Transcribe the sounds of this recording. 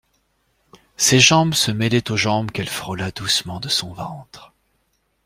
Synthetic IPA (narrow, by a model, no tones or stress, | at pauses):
seʒɑ̃bsəmɛlɛt̪oʒɑ̃bkɛlfχɔlad̪usmɑ̃d̪əsɔ̃vɑ̃t̪χ